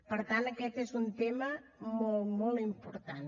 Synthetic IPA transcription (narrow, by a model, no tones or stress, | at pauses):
pəɾt̪anəkɛt̪ezunt̪eməmɔlˠmɔlˠimpuɾt̪an